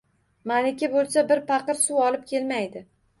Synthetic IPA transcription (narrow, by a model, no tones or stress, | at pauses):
manɪkʲɪbolˠsabɪɾpɑqɨɾsuɒlɪp̚kʲʰe̞lmajd̪ɪ